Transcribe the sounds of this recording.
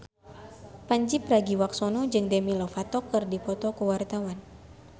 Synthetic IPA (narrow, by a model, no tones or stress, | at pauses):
paɲd͡ʒipraɡiwak̚sɔnɔd͡ʒɨŋdɛmilɔfat̪ɔkɨrdipɔt̪ɔkuwart̪awan